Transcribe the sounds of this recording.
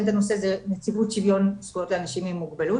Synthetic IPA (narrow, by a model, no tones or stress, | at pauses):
nt̪anosezenet͡sivutʃivjo̞nskuot̪leanaʃimimːuɡbelu